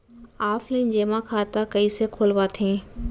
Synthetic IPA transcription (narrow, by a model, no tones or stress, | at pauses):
aːflẽnd͡ʑeːmãkʰaːt̪akɐisekʰoːlʋat̪ʰẽː